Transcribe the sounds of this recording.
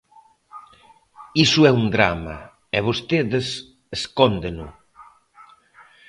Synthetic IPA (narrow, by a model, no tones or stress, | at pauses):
isuɛund̪ɾa̰mɐ̰ | ɛβost̪eðes | eskɔnd̪enʊ̰